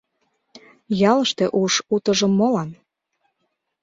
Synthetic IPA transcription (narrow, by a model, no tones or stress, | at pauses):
jɑləʃt̪eʔuʃut̪ə̆ʒə̆mːolɑn